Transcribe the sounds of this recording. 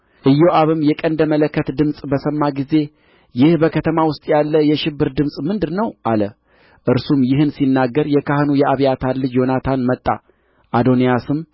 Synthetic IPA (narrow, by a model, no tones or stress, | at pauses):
ʔɨjːoʔaβɨmjɛkʼənd̪əmələkːət̪d̪ɨmsʼbəsəmːaɡize̞ | jɪhbəkʰət̪ʰəmawʊst̪ʼjalːəjɛʃɪbːɨɾd̪ɨmsʼmɨnd̪ɨɾnəwʔalə | ʔɨɾsumjɪhɨnsinːaɡːəɾjɛkʰahɨnujɛʔaβijat̪ʰalːɨd͡ʒjo̞nat̪ʰanmət̪ʼːa̰ | ʔad̪o̞nijasɨm